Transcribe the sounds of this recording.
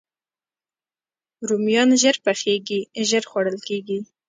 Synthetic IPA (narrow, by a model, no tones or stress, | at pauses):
ɾumjɑnʒəɾpaxeɡiʒəɾxwaɽəlkeɡi